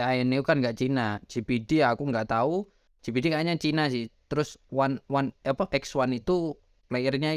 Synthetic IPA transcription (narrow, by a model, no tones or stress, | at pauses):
ajənikukanŋɡaʔt͡ʃinḁd͡ʒ̥ipidiakuŋɡaʔt̪au̥ | d͡ʒ̥ipidikaɲat͡ʃinasɪht̪əɾʊswanwanapaʔɛkswanit̪u | plairɲa